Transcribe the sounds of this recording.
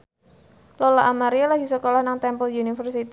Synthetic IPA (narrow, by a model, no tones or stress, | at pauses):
lɔlaʔamaɾialaɡisəkolɔhnaŋt̪ɛmpɔljunifərsit̪